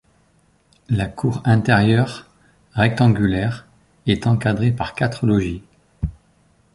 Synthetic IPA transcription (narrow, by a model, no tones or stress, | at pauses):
lakʰuʁɛ̃t̪ɛʁjœʁː | ɛk̚t̪ɑ̃ɡʲylɛʁ | ɛt̪ɑ̃kad̪ʁepaʁkat̪χəlɔʒi